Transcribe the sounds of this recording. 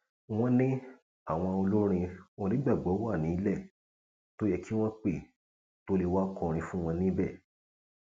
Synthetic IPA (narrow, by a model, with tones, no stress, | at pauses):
w̃ɔ̃˦nĩ˦ | a˦˨w̃ɔ̃˧o˧lo˦ɾ̃ĩ˧wɔ̃˧nĩ˨˦ɡ͡ba˦˨ɡ͡bɔ˨˦wa˦˨nĩ˨˦lɛ˦˨ | to˦jɛ˧ki˦w̃ɔ̃˦k͡pe˦˨ | to˦le˧wa˦kɔ̃˧˨ɾ̃ĩ˧fũ˦w̃ɔ̃˧nĩ˦bɛ˦˨